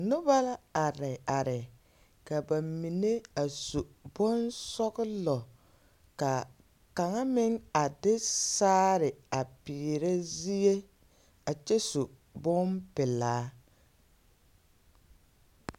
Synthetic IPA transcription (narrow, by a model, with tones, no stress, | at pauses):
nʊ˦ba˦la˦a˨ɾɪ˨a˨ɾɪ˨ | ka˨ba˨mi˨ne˦a˨su˨bʊ˦nsɔ˦ɣɪ˦lɔ˨ | ka˨ | ka˨ŋa˦mɪ˦ŋa˨dɪ˦saː˦ɾɪ˨a˨piː˨ɾe˦zi˦je˦ | a˨t͡ʃɛ˦su˨ | bʊ˦mpɪ˨laː˨˦